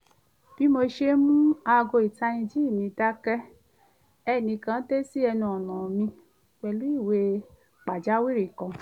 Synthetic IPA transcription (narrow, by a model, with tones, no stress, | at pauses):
b̥i˦mo˧ʃe˦mũ˦a˧ɡo˧˨i˨ta˧nĩ˧d͡ʒi˦˨mĩ˧˦da˦kɛ˦ | ɛ˦˨nĩ˧kã˦te˦si˦ɛ˧nũ˧ɔ˨nã˨mĩ˧ | k͡pɛ˧lu˨˦i˦˨we˧ | k͡pa˨d͡ʒa˨˦wi˦ɾi˦˨kɔ̃˨